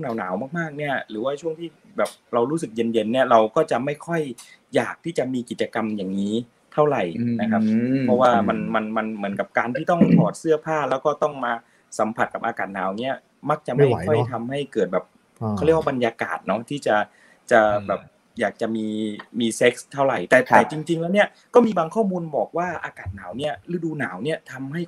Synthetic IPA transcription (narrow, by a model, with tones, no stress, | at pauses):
ŋnaː˨˦wnaː˩˦wmaː˥˩k̚maː˥˩k̚ni˦˥˩ɐɾɯː˩˦waː˥˩t͡ɕʰu˥˩əŋt̪ʰiː˥˩ | bɛː˨˩p̚ɾa˧wɾuː˦˥sɯ˨˩k̚je˧nje˧nːi˥˩ɐɾa˧wkɔː˥˩t͡ɕa˨˩ma˥˩jkʰɔ˥˩jjaː˨˩k̚t̪ʰiː˥˩t͡ɕa˨˩miː˧ki˨˩t͡ɕa˧ka˧mjaː˨˩ŋŋiː˦˥ | t̪ʰa˥˩wɾa˨˩jna˦˥kʰa˦˥p̚pʰɔ˦˥waː˥˩ma˧nma˧nma˧nmɯ˩˦nka˨˩p̚kaː˧nt̪ʰiː˥˩t̪ɔ˥˩ŋpʰɔː˨˩t̪̚sɯ˥˩ɐpʰaː˥˩lɛː˦˥wkɔː˥˩t̪ɔ˥˩ŋmaː˧ | sa˩˦mpʰa˨˩t̪̚ka˨˩p̚ʔaː˧kaː˨˩t̪̚naː˩˦wni˦˥ɐ | ma˦˥k̚t͡ɕa˨˩ʔma˥˩jkʰɔ˥˩jt̪ʰa˧mha˥˩jkɤː˨˩t̪̚bɛː˨˩p̚ | kʰa˥˩li˥˩wa˥˩bnjaː˧ka̰ː˨˩t̪̚nɔ˦˥t̪ʰiː˥˩t͡ɕa˨˩ | t͡ɕa˨˩bɛː˨˩p̚ | jaː˨˩k̚t͡ɕa˨˩miː˧miː˧se˦˥k̚st̪ʰːa˥˩wɾa˨˩jt̪ɛː˨˩t̪ɛː˧˨˩t͡ɕi˧ŋt͡ɕi˧ŋlɛː˦˥wni˦˥ɐ | kɔː˥˩miː˧baː˧ŋkʰɔː˥˩muː˧nbɔː˨˩k̚waː˥˩ʔa̰ː˧kaː˨˩t̪̚naː˩˦wni˦˥˩ɐlɯː˦˥duː˧naː˩˦wni˥˩ɐt̪ʰa˧mɦa˥˩j